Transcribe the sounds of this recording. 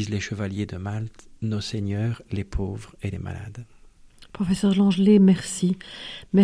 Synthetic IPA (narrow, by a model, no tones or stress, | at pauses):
izleʃəvaljed̪əmalt̪noseɲœːʁlepʰovʁelḛma̰la̰d̪ | pχɔfesœʁlɑ̃ʒlemɛʁsimɛ